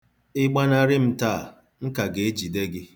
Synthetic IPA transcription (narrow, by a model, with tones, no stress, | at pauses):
ɪ˦ɡ͡ba˦na˦ɾɪ˦m̩˦ta˦˨ | ŋ̩˦ka˨ɡe˨e˦d͡ʒi˨de˦ɡɪ˦